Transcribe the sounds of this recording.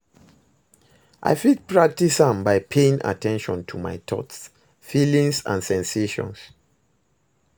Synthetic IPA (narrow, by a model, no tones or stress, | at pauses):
ʔa̰ɪfit̚pɹak̚tisãmbaɪpʰeĩŋʔa̰tʰɛ̃nʃɔ̃ntʰuma̰jtʰɔts | filĩŋsã̰nsɛ̃nseʃɔ̰̃ns